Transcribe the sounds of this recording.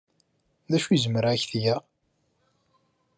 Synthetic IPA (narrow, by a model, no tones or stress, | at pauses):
ðæʃuzməɾʕæçθja